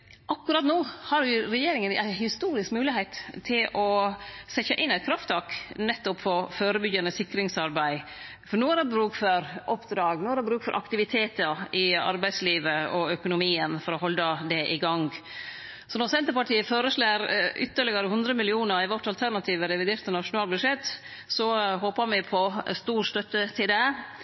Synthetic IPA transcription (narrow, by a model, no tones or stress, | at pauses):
ʔɑkːʉɾɑt̪noːhɑɾʊɾɛjeːɾɪŋənæ̰ɪhɪst̪uːɾɪskmʉːlɪheɪt̪ʰːɪlɔsɛçəʔɪnːæɪt̪̚kʰɾɑft̪ʰɑːknɛt̪ːɔpfɔɾføːɾəbʏɡjɑnəsɪkːɾɪŋsɑɾbæɪ | fɔɳoːæɾɛbɾʉːkfɔɾʔɔpd̪ɾɑːɡnoːæɾɛbɾʉːkfɔɾʔɑ̰kt̪ɪʋɪt̪ʰeːt̪əɾɪɑ̰ɾbæɪsliːʋəɔœkʊnʊmiːənfɔɾɔɦɔlːd̪ɑd̪ɛʔɪɡɑŋ | sɔnɔɾsɛnt̪əɾpɑʈʰiːəføːɾəʂɭeːɾʔʏ̰t̪ːəɾɭɪɡɑɾəhʉnd̪ɾəmɪlɪuːnəɾɪʋɔʈːɑlt̪ʰæɾnɑt̪ʰiːʋəɾɛʋɪd̪eːɾt̪ənɑʂʊnɑːlbʉʂɛt̪ː | sɔɦoːpəɾmɪpʰɔst̪uːɾst̪œt̪ːət̪ʰɪld̪ɛ